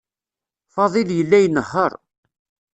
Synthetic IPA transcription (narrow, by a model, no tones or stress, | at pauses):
fɑðˤiljəlːæjnəhːəɾˤ